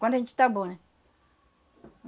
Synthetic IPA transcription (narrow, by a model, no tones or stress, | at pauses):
kandent͡ʃi̥tabonɛ